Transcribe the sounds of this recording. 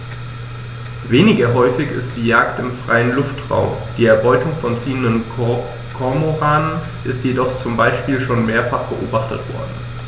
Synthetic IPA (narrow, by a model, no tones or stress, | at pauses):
veːnɪɡɐɦɔʏfɪçɪ̰std̥iːjaːktɪmfʁ̥a̰ɪənlʊftʁa̰ʊmd̥iːɛɐbɔʏtʊŋfɔnt͡siːəndən | kʰɔɐmoʁaːnən | ʔɪstjedɔχt͡sʊmbaɪʃpiːlʃoːnmeːɐfaχb̥əʔoːbaχtətv̥ɔ̰ɐdn̩